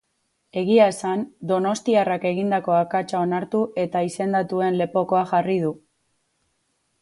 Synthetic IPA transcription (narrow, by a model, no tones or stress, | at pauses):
e̞ɣ̞iaesand̪o̞no̞st̪iarake̞ɣind̪ako̞akat͡ʃao̞naɾt̪uʔe̞t̪aise̞nd̪at̪ue̞nle̞po̞ko̞axarið̞u